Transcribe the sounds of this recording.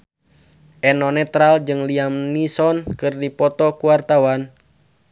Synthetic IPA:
ʔɛnɔnɛt̪ɾald͡ʒɨŋliamnisɔnkɨrdipɔt̪ɔkuwart̪awan

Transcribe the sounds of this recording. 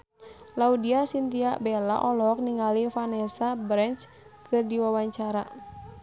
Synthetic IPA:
laudiasint̪iaʔbɛla̰ʔɔlɔk̚niŋalifanɛsabɾɛnt͡ʃ | kʰɨrdiwawaɲt͡ʃaɾa̰

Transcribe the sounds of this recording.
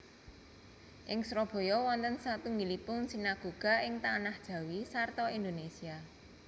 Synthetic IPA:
ʔɪŋsɾɔb̥o̤jɔwɔnt̪ənsat̪uŋɡilipʊnsinaɡ̥o̤ɡ̥a̤ɪŋt̪anahd̥ʒ̥ä̤wisart̪ɔind̪onesia

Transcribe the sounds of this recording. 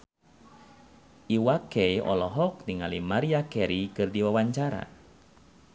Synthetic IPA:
ʔiwakɛjɔ̰lɔɦɔk̚niŋalimaɾiakɛɾikɨrdiwawaɲt͡ʃaɾa̰

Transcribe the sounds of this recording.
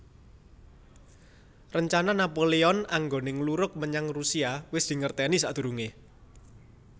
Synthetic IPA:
rəɲt͡ʃananapoleɔnaŋɡonɪŋluɾʊk̚məɲaŋrusiawɪsd̪̥i̤ŋərt̪enisaʔd̪̥ṳɾuŋe

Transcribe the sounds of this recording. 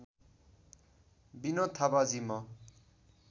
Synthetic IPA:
binot̪ʰabad͡zimʌ

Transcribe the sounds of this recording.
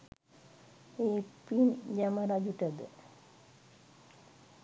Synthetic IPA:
eːpind͡ʒaməɾad͡ʒuʈəd̪ə

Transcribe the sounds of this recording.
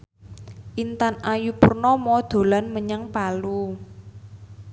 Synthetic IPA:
ʔint̪anajupurnɔmɔd̪̥o̤lanməɲaŋpalu

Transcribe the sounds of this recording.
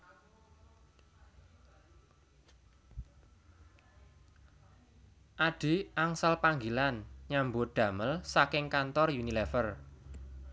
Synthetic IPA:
ʔad̥i̤ʔaŋsalpaŋɡilanɲambʊɖ̪̥ä̤məlsakɪŋkant̪ɔrjunilɛfər

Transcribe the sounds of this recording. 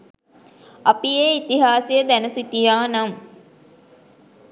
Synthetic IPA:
apijeːit̪iɦaːsijəd̪ænəsit̪ijaːnam

